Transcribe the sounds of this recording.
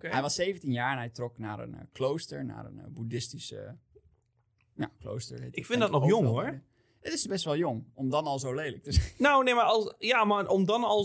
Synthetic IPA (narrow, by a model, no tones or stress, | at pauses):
ɦɛjʋɑsːejvəntinjaːɹɛnɦɛjtrɔkna̰ːɾə̰nklowstəɹna̰ːɾə̰nbudɪstisə̰ | ja̰klo̰wstə̰ɹeɪkfɪndɔtnɔχjʊŋoɹ | ətɪsbɛstʋɛlˠjʊŋɔmdɑnɑlˠzowlejlək̚təzɛnnownejmaːɹɑjaːmaɹʔɔmdɑnɑlˠ